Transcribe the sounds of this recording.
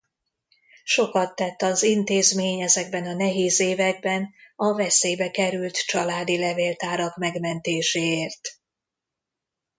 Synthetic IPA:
ʃo̞kɒt̪ːɛt̪ːɒzint̪eːzmeːɲɛzɛɡbɛnɒnɛɦeːzeːvɛɡ̚bɛnɒvɛseːjbɛkɛɾylt̪t͡ʃɒlaːd̪ilɛveːlt̪aːɾɒkmɛɡmɛnt̪eːʃeːeːrt̪

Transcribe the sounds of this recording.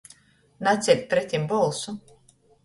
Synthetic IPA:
nat̪sʲɛlʲt̪̚ʲpɾɛt̪ʲimbɔlˠsu

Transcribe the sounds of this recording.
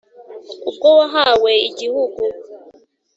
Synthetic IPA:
ukɔwaɦawɛid͡ʒihuku

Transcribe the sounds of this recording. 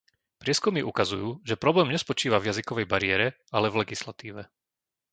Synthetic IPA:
pɾɪɛskumiʔukazujuːʒɛpɾɔblɛːmɲɛspɔt͡ʃiːʋavjazikɔʋɛjbaɾɪɛːɾɛ | alɛvlɛɡislat̪iːʋɛ

